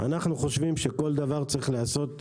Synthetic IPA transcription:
a̰naχnuχo̞ʃvimʃe̞ko̞ld̪avaʁt͡sʁiχleaso̞t̪

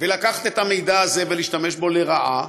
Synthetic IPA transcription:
velakaχḁt̪et̪hame̞jd̪aazeveliːʃt̪ame̞ʃbo̞le̞ʁaʔa

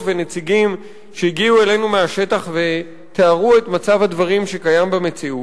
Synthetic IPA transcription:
vene̞t͡siɡim | ʃejiɡiue̞le̞nume̞aʃe̞t̪aχve̞ | t̪eaʁue̞t̪mat͡savhad̪vaʁimʃe̞kajambeme̞t͡siut

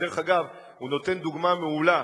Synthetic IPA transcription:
deeχaɡav | huno̞t̪e̞nd̪uɡmameula

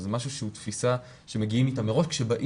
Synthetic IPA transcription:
zemaʃuʃeut̪fisa | ʃe̞meɡiimit̪amːeʁo̞ʃkʃebaʔ

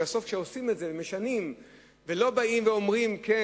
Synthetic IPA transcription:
aso̞fkʃeosimetzeveme̞ʃanim | velo̞baimveo̞mʁimke

